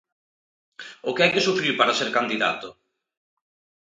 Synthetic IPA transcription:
ʊkɪɛjkesufɾiwpaɾaseɾkand̪iða̰t̪ʊ

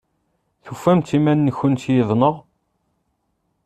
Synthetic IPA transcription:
θufːæmt̪imænːəçːʊnt̪jiðˤnəʁ

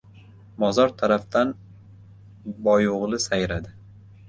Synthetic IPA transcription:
bɒzɒɾt̪ʰaɾaft̪an | bɒjʊʁlˠɪsajɾad̪ɪ

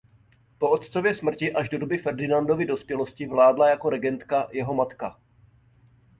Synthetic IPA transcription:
po̞ʔot̪t͡sovjɛsmr̩cɪʔaʒdo̞dobɪfɛɾdɪnando̞vɪdo̞spjɛlo̞scɪvlaːdlajako̞ɾɛɡɛnt̪kajɛɦo̞mat̪ka

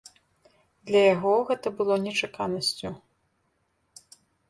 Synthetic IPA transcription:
d̪lʲɐjaɣɔɣɛt̪ɐbɨlˠɔnʲɛt͡ʂakanɐsʲt͡sʲu

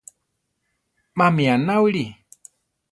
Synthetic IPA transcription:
mamianawɺi

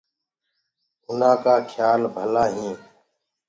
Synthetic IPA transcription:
ʊnãːkaːkʰjaːlbʱəlaːɦĩː

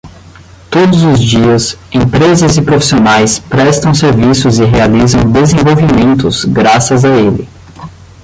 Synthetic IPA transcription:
t̪od̪ʊzʊzd͡ʒiɐsẽpɾezɐzɪpɾofi̥sionajspɾɛst̪ɐ̃w̃seɾvisʊzɪɦealizɐ̃w̃d̪ezẽvowvimẽnt̪ʊzɡɾasɐzaelɪ̰

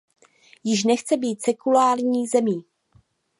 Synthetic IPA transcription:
jɪʃnɛxt͡sɛbiːt̪sɛkulaːɾɲiːzɛmiː

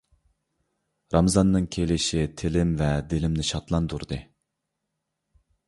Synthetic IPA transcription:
ɾɑmzɑnːɨŋkʲʰelɪʃit̪ʰelɪmvɛd̪ɪlɪmnɪʃɑt̪lˠɑnd̪uɾd̪ɨ

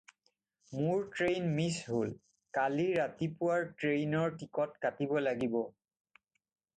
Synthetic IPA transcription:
mʊɹtɹejnmisɦol | kaliɹatipʊwaɹtɹejnɔɹtikɔtkatibɔlaɡibɔ

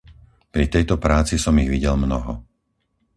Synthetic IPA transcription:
pɾit̪ɛjt̪ɔpɾaːt͡sisɔmiɣʋiɟɛlmnɔɦɔ

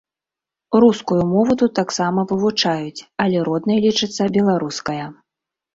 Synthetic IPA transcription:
ruskujumɔvɐd̪ut̪aksamɐvɨvut͡ʂajut͡sʲɐlʲɛɾɔd̪nɨjɐlʲit͡ʂɨt̪sːɐbʲɛlˠaɾuskɐjɐ

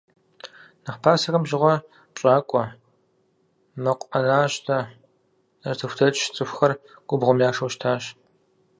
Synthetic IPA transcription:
nɨχpʰaːsɐɣɐmʒɪʁʷɔ | t͡ʃʼaːkʷʼɔ | mɐqʷʼɐnaːɕtʰɐ | nɐrtʰɨxʷtʰɐt͡ʃʼʃt͡sʼɨxʷxɐrɡ̥ʷʼʊbʁʷʊmjaːʂɐwʃtʰaːɕ

